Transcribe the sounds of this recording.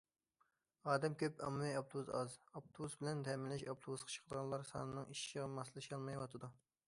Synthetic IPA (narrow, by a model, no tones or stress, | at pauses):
ɑːd̪ɛmkʲʰøpɑ̰mːɨijɑp̚t̪ʰuuzɑzɑp̚t̪ʰousbɪlɛnt̪ʰɛmɪlːɪʃɑp̚t̪ʰobusqʰɑ̥t͡ʃʰə̥qʰəd̪ʁɑnlˠɑɾsɑ̰ːnɨnɨŋiʃʁɑmɑslˠɨʃɑlˠmɑjwɑt̪ʰɨd̪u